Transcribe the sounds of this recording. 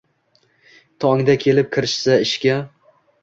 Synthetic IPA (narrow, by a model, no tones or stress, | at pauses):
t̪ʰɒŋd̪akʲʰe̞lɪp̚kʲʰɪɾɪʃsaɪʃkʲa